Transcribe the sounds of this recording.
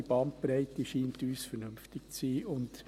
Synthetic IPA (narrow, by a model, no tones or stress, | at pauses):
ib̥ɑnt̚pɾɛɪtiʃiːntyːsfɛrnʏmftɪk̚t͡siːʊnt